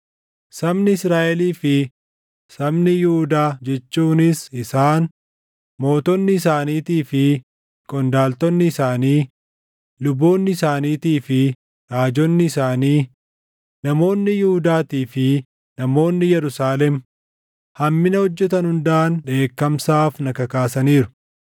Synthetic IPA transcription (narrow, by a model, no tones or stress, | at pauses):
sɐmnɪɪsɾaːʔɛliːfɪ | sɐmnɪjʊhʊd̪aːd͡ʒɛt͡ʃːuːnɪsɪsaːn | mo̞ːt̪ɔnːɪɪs̬aːniːt̪iːfɪ | kʼɔnd̪aːlt̪ɔnːɪɪsaːniː | lʊbːo̞ːnːɪsaːniːt̪iːfɪ | ɾaːd͡ʒɔnːɪːsaːniː | nɐmo̞ːnːɪjʊhʊd̪aːt̪iːfɪ | nɐmo̞ːnːɪjɛɾʊsaːlɛm | hɐmːɪnɐhɔd͡ʒːɛt̪ɐnhʊnd̪aːnᶑe̞ːkːɐmsaːfnɐkɐkaːsɐniːɾʊ̥